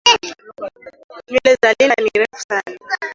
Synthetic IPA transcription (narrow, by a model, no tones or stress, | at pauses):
milɛzaliniɾɛfu̥sana